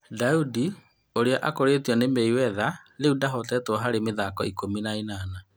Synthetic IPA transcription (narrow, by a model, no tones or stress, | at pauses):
daudi | oɾeaʔakoɾetiɔnemɛiwɛðaleudaɦɔtɛtɔɦaɾemeðakɔikominainaːna